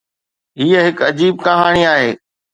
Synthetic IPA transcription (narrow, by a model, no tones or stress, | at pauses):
ɦiːəɦɪkɐd͡ʑiːb̚kɐɦaːɽ̃iaːɦeː